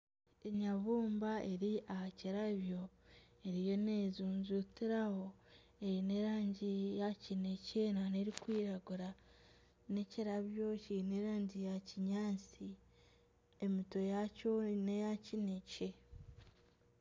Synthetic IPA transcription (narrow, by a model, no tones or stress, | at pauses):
eɲaβuːmbae̞ɾiahaciɾaβjo̞ | eɾijo̞ne̞zuːnzutiɾaho̞ | eine̞ɾaːɲɟijacinece̞nane̞ɾikwiːɾaɡuɾa | ne̞ciɾaβjo̞cineɾaːɲɟijaciɲaːt͡si | emito̞jaconejacinece̞